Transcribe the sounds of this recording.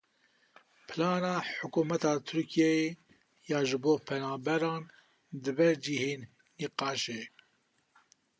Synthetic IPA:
pʰɨlɑːnɑːħʊkuːmɛt̪ɑːt̪ʰʊɾkʰijɛjeː | jɑːʒɨboːpʰɛnɑːbɛɾɑːn | d̪ɨbɛɾd͡ʒiheːnː | iqɑːʃeː

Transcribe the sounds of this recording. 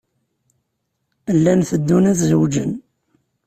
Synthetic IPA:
əlːænθəd̪ːunæθzəwd͡ʒə̰n

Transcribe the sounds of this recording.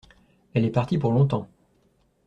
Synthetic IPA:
ɛlɛpaʁt̪ipuʁlɔ̃t̪ɑ̃

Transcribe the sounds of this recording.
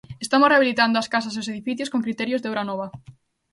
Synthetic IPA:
est̪amʊsreaβilit̪and̪ʊaskas̬as̬eʊseðifiθjoskoŋkɾit̪ɛɾjʊzðeewɾanɔβɐ

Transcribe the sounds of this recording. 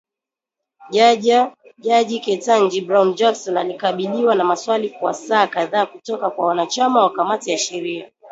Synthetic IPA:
ʄa | ʄaʄikɛtand͡ʒibɾaund͡ʒaksɔnalikaɓiliwanamaswalikwa̰saːkaðaːkutɔkakwawanat͡ʃamawakamatijaʃɛɾia

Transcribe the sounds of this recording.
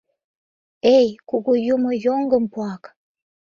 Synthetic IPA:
ɛjkuɡujumujɔŋɡəm̩pwakḁ

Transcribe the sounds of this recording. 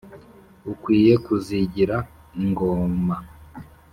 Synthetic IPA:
ukwiːje̞kuziɟiɾa | ŋɡoːma

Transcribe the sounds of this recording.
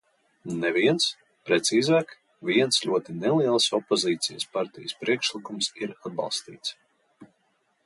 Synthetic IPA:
nɛviɛns | pɾɛt̪siːzaːk | viɛnslʲuɔt̪inɛlˠiɛlˠsɔpːɔziːt̪sijspaɾt̪ijəspɾiɛkʃlˠikumsiɾad̪̚bɑ̰lˠst̪ḭːt̪s

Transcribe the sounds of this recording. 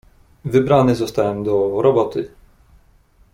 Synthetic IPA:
vɘbɾanɪzɔst̪ajɛmd̪ɔɾɔbɔt̪ɪ

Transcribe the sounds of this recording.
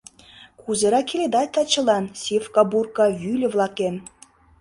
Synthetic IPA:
kʰuzɤ̆ɾɑkʲelʲed̪ɑt̚ʲt̪ɑt͡ɕɤ̆lˠɑnsʲefkɑburkɑvʲylʲɘ̆vlˠɑken

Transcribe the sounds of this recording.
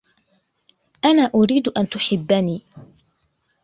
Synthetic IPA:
ʔanaːʔʊɾiːd̪ʔant̪ʊħɪbːaniː

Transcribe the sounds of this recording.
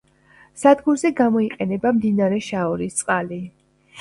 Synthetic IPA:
sad̪ɡumzɛɡamɔiqʼɛnɛbamd̪inaɾɛʃaɔɾist̪sʼqʼali

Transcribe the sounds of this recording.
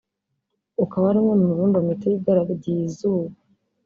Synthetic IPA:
ukaβaɾumŋemumuβumbamitejiɡaɾaɡɟizuβa

